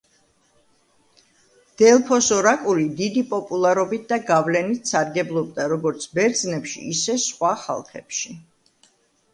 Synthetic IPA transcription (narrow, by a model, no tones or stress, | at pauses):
d̪̥ɛlˠpʰɔsɔɾakʼulid̪id̪ipʼɔpʼulˠaɾɔbit̪̚ʰd̪aɡavlɛnit̪ʰsaɾɡɛblˠɔb̚d̪aɾɔɡɔɾt̪sʰbɛɾd̪znɛpʃḭːsɛsχwaχa̰lˠχɛ̰pʃi